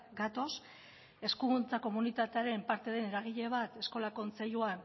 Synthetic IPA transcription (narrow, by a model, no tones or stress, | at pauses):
ɡat̪o̞s | e̞skuɣunt͡sako̞munit̪at̪eaɾe̞mpaɾt̪e̞ð̞e̞ne̞ɾaɣ̞iʎe̞β̞at̪e̞sko̞lako̞nt͡se̞ʎuan